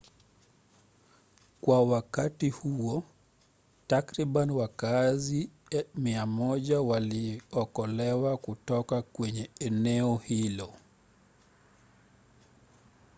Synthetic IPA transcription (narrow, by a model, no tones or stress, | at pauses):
kwawakatihuɔ | takɾiɓaniwakazi | miamɔʄawaliɔkɔlɛwakutɔkakwɛɲɛɛnɛɔhilɔ